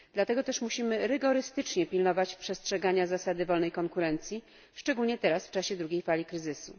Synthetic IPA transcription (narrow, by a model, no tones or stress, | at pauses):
d̪̥lat̪ɛɡɔt̪ɛʂmuɕimɘɾɘɡɔɾɘst̪ɘt͡ʂɲɛpʲilnɔvat͡ɕpʂɛstʂɛɡaɲazasad̪ɘvɔlnɛjkɔŋkuɾɛnt̪sʲji | ʂt͡ʂɛɡulɲɛt̪ɛɾasft͡ʂaɕɛd̪ɾuɡʲejfalʲikɾɘzɘsu